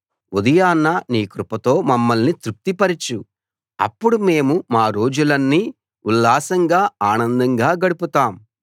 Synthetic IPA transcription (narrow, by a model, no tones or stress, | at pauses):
ud̪ɐjaːnːɐniːkɾupɐt̪o̞ːmɐmːɐlnit̪ɾuk̚t̪ipɐɾit͡ʃu | ɐ̰pːuɽume̞ːmumaːɾo̞ːd͡ʒulɐnːiː | ulːaːsɐŋɡaːaːnɐnd̪ɐŋɡaːɡɐɽuput̪aːm